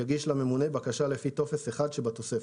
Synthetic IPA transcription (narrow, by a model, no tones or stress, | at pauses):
aɡiʃlame̞mune̞bakaʃalefit̪o̞fe̞seχad̪ʃebat̪o̞sef